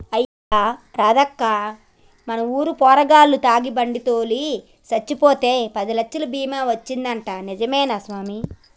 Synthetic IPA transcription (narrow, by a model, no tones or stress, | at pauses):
ɐj | aːɾaːd̪ɐkːaː | mɐnɐmuːɾupɔːɾɐɡaːlːut̪aːɡibɐɳɖit̪oːli | sɐt͡ʃːipoːt̪e̞ːpɐd̪ilɐkʃːɐlɐbiːmaːʋɐt͡ʃːind̪ɐɳʈaːnid͡ʒɐmɛːnaːsʋaːmi